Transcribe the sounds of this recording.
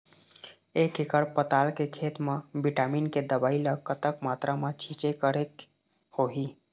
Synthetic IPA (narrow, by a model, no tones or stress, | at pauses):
ekekəɾpət̪alkekʰet̪mebiʈaminked̪əbaːiləkːət̪əkmat̪ɾamet͡ʃʰit͡ʃekəɾek | hoɦi